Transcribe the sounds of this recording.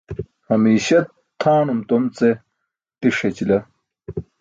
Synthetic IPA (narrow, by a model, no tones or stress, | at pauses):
hɐmiːɕɐt̪ʰːaːnumt̪omt͡se | t̪iʂet͡ɕilɐ